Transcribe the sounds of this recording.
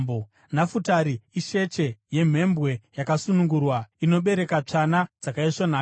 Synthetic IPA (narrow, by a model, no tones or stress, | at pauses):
bo | nafutaɾiiʃe̞t͡ʃe̞je̞m̤e̞mbwe̞jakasunuŋɡurwaino̞ɓe̞ɾe̞kat͡ʂanad͡zakaiʂonaː